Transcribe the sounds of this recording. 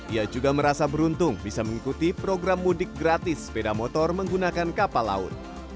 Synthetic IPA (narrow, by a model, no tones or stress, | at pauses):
ʔiad͡ʒuɡaməɾasabəɾunt̪ʊŋbisaməŋikut̪ipɾoɡɾamːudɪk̚ɡɾat̪ɪspedamɔt̪ɔrməŋɡunakankapala̰ʊ̰t̪̚